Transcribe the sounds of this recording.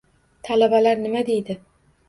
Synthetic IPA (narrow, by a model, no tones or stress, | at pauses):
t̪ʰalabalaɾnɪmad̪e̞jd̪ɪ